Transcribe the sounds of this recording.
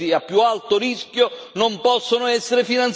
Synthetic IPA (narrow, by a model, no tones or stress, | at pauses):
iapːjualt̪ʊɾiskjo | nompɔsːonʊɛsːeɾɪfinant̪